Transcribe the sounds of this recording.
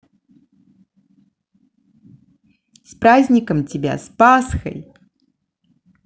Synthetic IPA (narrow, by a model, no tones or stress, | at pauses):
spɾazʲnʲikɐmt͡sʲɪbʲa̰spasxɐ̰j